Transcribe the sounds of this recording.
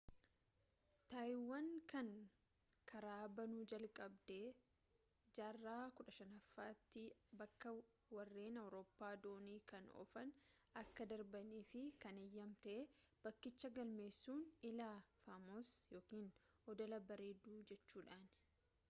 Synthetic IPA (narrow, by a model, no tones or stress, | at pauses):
t̪aːjɪwːankɐŋ | kʰɐɾaːbɐnud͡ʒɐlkʼɐbd̪eː | d͡ʒaːrːaːkʊᶑɐʃɐnɐfːaːt̪ːɪbɐkːɐ | wɐrːe̞ːnɐwɾoːpːaːd̪oːniːkɐnɔ̰fɐnɐkːɐd̪ɐɾbɐniːfɪkɐnejːɐmt̪ɐʔeb̥ɐkːɪt͡ʃːɐɡɐlme̞ːsːuːnɪlaːfaːmoːsjo̞ːkiːn | ɔd̪ɔlɐbɐɾeːd̪uːd͡ʒɛt͡ʃːuːᶑaːn